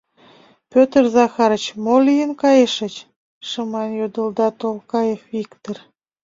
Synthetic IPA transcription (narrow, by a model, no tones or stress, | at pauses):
pʲøt̪ərzɑxɑɾət͡ɕmolijənkɑjeʃə̆t͡ɕ | ʃəmɑnjod̪əld̪ɑt̪olkɑjefikt̪ər